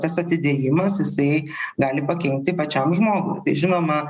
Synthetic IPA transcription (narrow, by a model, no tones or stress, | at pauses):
t̪ɐsɐt̪ʲɪd̪ʲeːjɪmɐsjɪsɐɪ | ɡɑːlʲɪpɐkʲɛŋʲk̚t̪ʲɪpɐt͡ʃʲɛmʒmoːɡʊ̰jt̪ɐɪʒʲɪnoːmɐ